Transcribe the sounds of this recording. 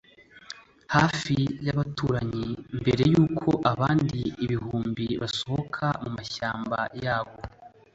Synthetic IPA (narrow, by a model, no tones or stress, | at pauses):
haːfijaβatuːɾaɲimbe̞ɾe̞juːkʰo̞ʔaβaːndiːβiɦuːmbiβaso̞hokʰamumaʃaːmba̰jaːβ̞o̞